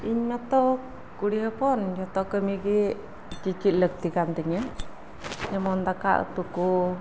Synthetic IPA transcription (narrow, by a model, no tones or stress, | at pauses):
iɲmat̪ɔk | kuɽiɦəpɔnjɔt̪ɔʔkəmiɡɛ | t͡ʃit͡ʃit̪̚lək̚t̪ikant̪ɛɲa | ɲɛmɔnd̪aka̰ʔt̪uku